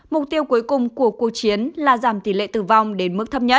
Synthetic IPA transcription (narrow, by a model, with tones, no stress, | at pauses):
mʊ˨˩k͡p̚t̪i˧əwku˨˦əjkʊ˨˩ŋ͡mku˧˩əku˨˩ək̚t͡ɕi˨˦ənlaː˨˩zaː˧˩mt̪i˨˧˩lḛ˧˨t̪ɨ˨˩va˨˩wŋ͡mɗe˨˦nmɨ˦˥k̚t̪ʰə˦˥p̚ɲə˦˥t̚